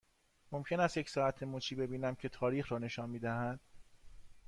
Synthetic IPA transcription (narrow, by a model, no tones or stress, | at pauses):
mo̞mcʰe̞næst̪jecsɒːæt̪ʰe̞mut͡ʃʰiːbe̞biːnæmcʰe̞t̪ʰɒːɾiːxɾɒːne̞ʃɒːnmiːd̪æhæd̪̥